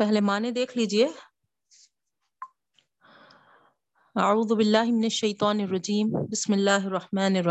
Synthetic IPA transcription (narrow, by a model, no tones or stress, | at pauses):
faɦlemaːned̪eːklid͡ʒje | ʔaʕuːðbɪlːaːhmɪnaʃːajt̪ˤɑːnɪrˤːɑd͡ʒiːmbɪsmɪlːaːhɑrˤːɑħmaːnɑrˤ